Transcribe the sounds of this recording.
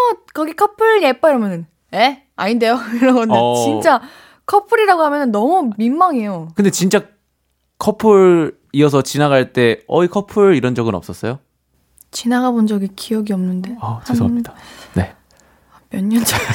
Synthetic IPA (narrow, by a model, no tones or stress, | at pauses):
ʌkʌɡikʰʌpʰɯɾnep͈aiɾʌmjʌnɯn | e | aɲinde̞joiɾʌɡʌnet͡ɕint͡ɕ͈a | kʰʌpʰɯɾiɾaɡoɦamjʌnɯnːʌmumimːaŋejokɯnde̞t͡ɕint͡ɕ͈a | kʰʌpʰɯɾ | iʌs̬ʰʌt͡ɕinaɡaɭt͈e̞ʌikʰʌpʰɯɾiɾʌnd͡ʑʌɡɯnʌ̰ps͈ʌs͈ʌjo | t͡ɕinaɡabond͡ʑʌɡikijʌɡiʌmnɯnde̞aht͡ɕasʰdane̞ | mjʌɲːʌnd͡ʑa